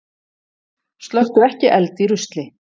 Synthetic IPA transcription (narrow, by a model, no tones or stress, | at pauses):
st̪lœxt̪ʏɾɛhcɪʔɛlt̪iɾʏst̪lɪ